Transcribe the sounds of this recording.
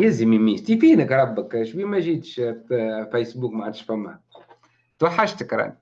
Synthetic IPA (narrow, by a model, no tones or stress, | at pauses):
jæzəmimiːst̪ifiːnəkɾˤɑbːəkʃbimæʒiːt̪ʃ | fæjsbuːkmaʕad̪ʃfæmːæ̰ | t̪waħːaʃt̪əkɾˤɑ̰ni